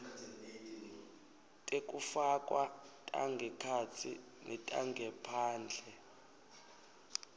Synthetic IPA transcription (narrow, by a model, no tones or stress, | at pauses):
tʼekʼufakʼwatʼa̰ŋɡʱɛkʰat͡sʰḭ | nɛtʼaŋɡʱɛpʰaːnd͡ɮʱɛ